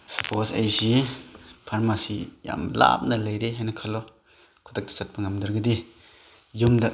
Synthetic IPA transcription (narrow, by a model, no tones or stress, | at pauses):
sɐpʰosajzi | pʰaɾmasija̰mla̰p̚nɐlɐjɾeɦajnɐkʰalɔ | kʰɔdak̚dḁt͡ʃat̚bɐŋamdɐɾɡɯdi | jumdɐ